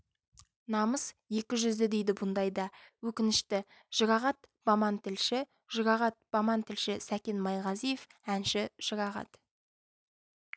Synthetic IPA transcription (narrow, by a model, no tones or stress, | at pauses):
nɑməsje̞kʲɪʒʏzd̪ɪd̪ejd̪ɪbʊnd̪ɑjd̪ɑwɵkʲɪnɪʃt̪ɪ | ʒ̥əɾɑʁɑt̪b̥ɑmɑnt̪ɪlʃɪ | ʒ̥əɾɑʁɑt̪̚b̥ɑmɑnt̪ʰɪlʃɪsækʲe̞nmɑjʁɑzijefænʃɪʒ̥əɾɑʁɑ̰t̪